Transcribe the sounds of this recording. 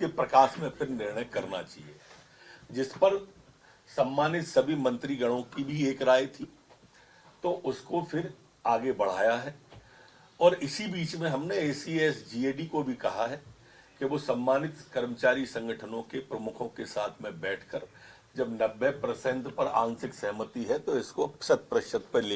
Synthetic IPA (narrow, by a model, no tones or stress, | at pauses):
kepɾɐkaːʃmẽpʰɪɾnɪɾɳ̃əjkɐɾna̰t͡ʃaːɦḭeː | d͡ʒɪspɐɾ | sɐ̃mːaːnɪt̪sɐbʱimɐ̃nt̪ɾiɡɐɽ̃õkibʱieːkɾaːet̪ʰiː | t̪oʔʊskofʰɪɾ | aːɡebɐɽ̤a̰ːjaɦɛː | ɔːɾɪsibiːt͡ʃmẽɦɐmneeːsiɛːsd͡ʒiːeːɖikobʱikɐɦaɦɛː | keʋosɐ̃mːaːnɪt̪kɐɾmət͡ʃaːɾisɐ̃ŋɡəʈʰənõkepɾɐmʊkʰõkesaːt̪ʰmẽbɛːʈʰkəɾ | d͡ʒɐbnɐbʱːɛpɾəsɛ̃nt̪pɐɾã̰ːnsɪksɐɦmət̪iɦɛt̪oɪskosɐt̪̚pɾəʃət̪̚peleː